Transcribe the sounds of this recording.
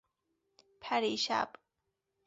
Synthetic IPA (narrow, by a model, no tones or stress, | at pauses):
pʰæɾiʃa̰bʼ